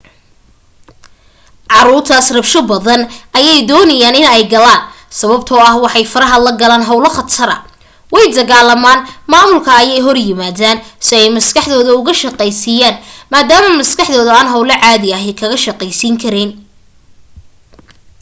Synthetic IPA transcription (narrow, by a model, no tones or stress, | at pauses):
ʕɑɾuːrt̪ʰɐsrɐbʃɔbɐðɐnʔɐjɛjd̪ɔːnɐjaːnɪnɛjɡɐlaːn | sɐβɐbt̪ʰɔːɐhwɑħɑjfɐɾɐɦɐlɐɡɐlaːnɦɐwlɐχɐt̪ʰɐɾɐ̰ | wɛjd̪ɐɣaːlɐmaːnmaːmʊlkʰɐːjɛjɦɔrjɪmaːðaːnsɪɛjmɐskʰɑħðɔːðɐʊɣɐʃɐqɛjsijaːnmaːd̪aːmɐmɐskɑħðɔːðɐaːnɦɐwlɐʕaːðɪɐɦɛkʰɐɣɐʃɐqɛjsiːŋkʰɐɾɛːn